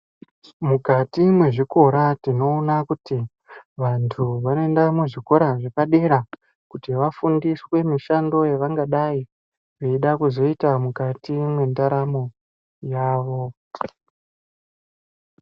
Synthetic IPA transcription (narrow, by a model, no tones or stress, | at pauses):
mukatimwe̞ʐiko̞ɾatino̞ːnakuti | ʋantʰuʋano̞endamuʐiko̞ɾaʐekaɗe̞ɾa | kutiʋafundiswe̞miʃando̞jeʋaŋɡaɗai | ʋeiɗakuzo̞itamukatimwe̞ndaɾamo | jaːʋo̞